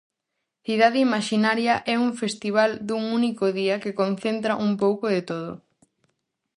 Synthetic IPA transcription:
θiðaðɪimaʃinaɾjɐʔɛuɱfest̪iβ̞ald̪uŋunikoðiɐkekonθent̪ɾɐʔumpowkoðet̪oð̞o̰

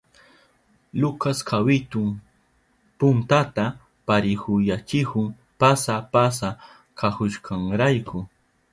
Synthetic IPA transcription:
lʊkaskʰawɪt̪ʊm | pʊnt̪at̪a | paɾɪhʊjat͡ʃɪhʊŋ | pasapas̬a | kʰahʊʃkʰaŋɾajkʰʊ

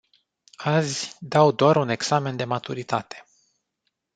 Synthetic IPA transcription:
azʲd̪awd̪oaɾune̞ɡsame̞nd̪e̞mat̪uɾit̪at̪e̥

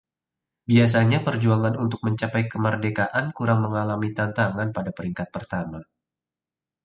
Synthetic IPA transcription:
bias̬aɲapərd͡ʒuaŋanunt̪ʊk̚məɲt͡ʃapajkəmərdekaʔankuɾaŋməŋalamit̪ant̪aŋanpadapəɾiŋkat̪̚pərt̪ama

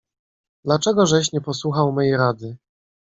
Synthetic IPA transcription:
d̪lat͡ʂɛɡɔʐɛɕ̬ɲɛpɔswuxawmɛjɾad̪ɘ

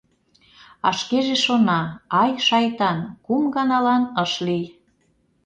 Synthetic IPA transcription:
ɑ̰ʃkeʒeʃonɑɑjʃɑjt̪ɑnkumɡɑnɑlɑnəʃlij

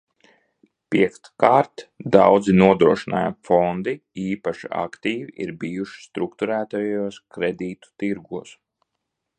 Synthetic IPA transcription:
pʲiɛkt̪kaːɾt̪d̪awd̪zinuɔd̪ɾuɔʃina̰ːja̰fɔnd̪iiːpaʃia̰kt̪iːviʔḭɾbijuʃi̥st̪ɾukt̪uɾæːt̪ajuɔskɾed̪iːt̪u̥t̪iɾɡuɔs

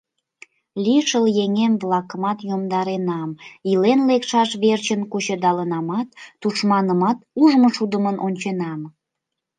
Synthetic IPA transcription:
lʲiʃəljeŋemβlɑkəmɑt̪jomd̪ɑɾenɑmilenlekʃɑʃβert͡ɕənkut͡ɕəd̪ɑlənɑmɑt̪ːuʃmɑnəmɑt̪uʒməʃud̪əmənʔonʲt͡ɕenɑm

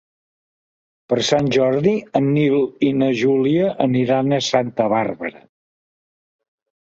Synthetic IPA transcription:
pəɾsanʲʒɔɾðiənːilinəʒuliəʔəniɾanəsant̪əβarβəɾə̰

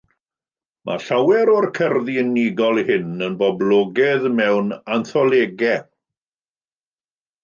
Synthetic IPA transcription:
mʔa̰ɬawɛɾɔrkʰərðiəniɡɔlˠhɪnənbɔblˠɔːɡɛðmɛwnanθɔlˠeːɡɛ

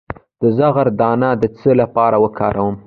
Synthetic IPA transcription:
d̪̥əzaɣaɾd̪ɑnad̪ət͡səlapɑɾawəkʰɑɾawəm

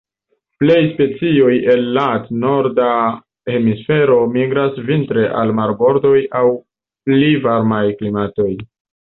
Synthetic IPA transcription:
ple̞jspe̞t͡sio̞je̞lːatno̞ɾda | e̞misfe̞ɾo̞miɡɾasvintɾe̞ʔa̰lmaɾbo̞ɾdo̞jaw | plivaɾmajklimato̞j

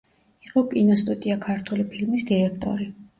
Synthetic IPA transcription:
iqʼɔkʼinɔst̪ʼut̪ʼiakʰaɾt̪ʰulipʰilmisd̪iɾɛkʰt̪ʼɔ̰ɾi

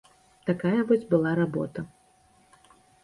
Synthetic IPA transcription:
t̪akajɐvɔzʲbɨlˠaɾabɔ̰t̪ɐ

